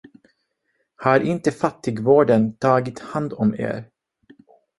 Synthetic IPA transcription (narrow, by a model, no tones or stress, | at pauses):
haɾʔɪnt̪əfat̪ːɪɡvoːɖənt̪ʰɑːɡɪt̪hand̪ɔmḛːɾ